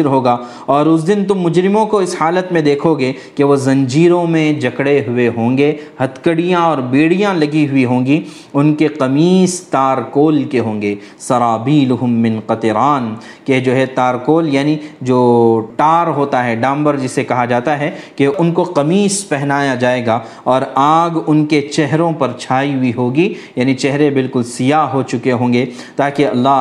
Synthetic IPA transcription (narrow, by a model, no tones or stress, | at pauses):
ɪɾɦoːɡaː | ɔːɾʊs̬d̪ɪnt̪ʊmːʊd͡ʒɾɪmõkoɪshaːlət̪mẽd̪eːkʰoɡe | keʋozɐ̃ɲd͡ʒiːɾõmẽd͡ʒɐkɽeɦʊeɦõːŋɡehɐt̪kəɽijãɔːɾbeːɽijãlɐɡiɦʊiɦõːŋɡi | ʊnkeqɐmiːst̪aːɾkoːlkeɦõːŋɡeː | sɐɾaːbiːlʊɦʊmːɪ̃nqɐt̪ɪɾaːn | ked͡ʒoːɦɛt̪aːɾkoːljaːnid͡ʒoːʈaːɾɦoːt̪aɦɛɖãːmbəɾd͡ʒɪsːekɐɦad͡ʒaːt̪aɦɛkeʊnkoqɐmiːspɛɦnaːjad͡ʒaːeːɡaː | ɔːɾãːɡʊnket͡ʃɛɦɾõpɐɾt͡ʃʰaːiɦʊiɦoːɡi | jaːnit͡ʃɛɦɾebɪlkʊlsɪjaɦot͡ʃʊkeɦõːŋɡe | t̪aːkeɐlːa